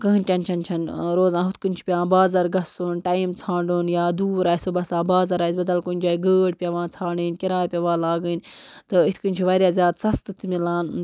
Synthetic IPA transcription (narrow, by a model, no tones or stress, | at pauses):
kɐɦinʈʲɐnt͡ʃʰɐnt͡ʃʰɐnɾoːzãːɦʊt̪ʰkɨnʲt͡ʃʰi̥pʲjãːbaːzɐɾɡɐsunʈaːimt͡sʰãːɳɖuːnjaːd̪uːɾaːisoːbɐsãːbaːzɐɾaːisbɐd̪ɐlkunʲd͡ʒaːiɡəːɽ̚pʲjɐʋãːt͡sʰaːɳiːnkʲɐɾaːjpʲɐʋãːlaːɡənt̪ɨit̪ʰkɨnʲt͡ʃʰiʋaːɾʲjaːzʲjaːd̪sɐst̪ɨt̪ʰmilaːn